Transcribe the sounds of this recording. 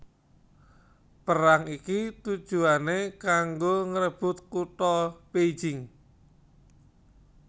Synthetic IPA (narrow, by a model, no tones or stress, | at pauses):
pəɾaŋikit̪ud̥ʒ̥ṳanekaŋɡoŋəɾəb̥ʊ̤t̪̚kuʈɔbed̥ʒ̥ɪŋ